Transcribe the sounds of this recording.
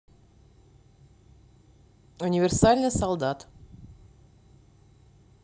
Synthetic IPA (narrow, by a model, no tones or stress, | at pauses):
unʲɪvʲɪrsalʲnɨjsɐlˠd̪at̪